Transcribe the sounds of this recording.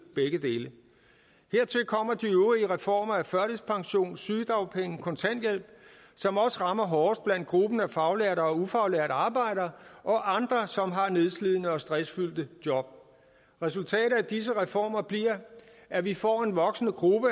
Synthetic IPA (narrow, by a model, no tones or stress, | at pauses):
b̥eɡ̥əd̥e̝ːlə | he̝ɐ̰t͡sʰe̝lkʰɒ̽m̰ɐd̥iøʊʁiəʁɛfɒ̰ːmɐæfɶɐɾ̥ispʰɑ̈ŋɕo̝̰ːnsyːd̥ʁɑ̈ʊpʰeŋkʰɒ̽nt͡sʰæn̰d̥jel̰b̥ | sɒ̽mɒ̽səʁɑ̈mɐɦɒːsd̥̚b̥læn̰d̥̚ɡ̥ʁub̥nəæfɑ̈ʊleɐ̰ɾɐɒ̽ufɑ̈ʊleɐɾəɑ̈ːb̥ɑ̈ɪ̰ɾɐɒ̽ʔɑ̈nd̥ʁɐsɒ̽mɦɑ̈ne̝ð̞ˠsliðˠnəɒ̽sd̥ʁɛsfyl̰d̥əd̥jɒ̽b̥̚ | ʁɛs̬ult͡sʰɛ̰ːɾ̥ð̩ˠæd̥is̬əʁɛfɒ̰ːmɐb̥liɐ̰ | ʔæʋifɒ̰ːe̝nʋɒ̽ɡ̥snəɡ̥ʁub̥ə